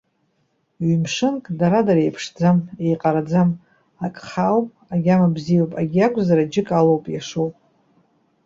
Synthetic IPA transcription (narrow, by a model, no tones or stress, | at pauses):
ɥimʂɨnkʼdaɾadaɾejpʰʂd͡zame̞jqʼaɾad͡zam | akʼχawpʼaɡʲamabzijawpʼaɡʲiakʷʰʼzaɾad͡ʒɪkʼalowpʼjaʂowpʼ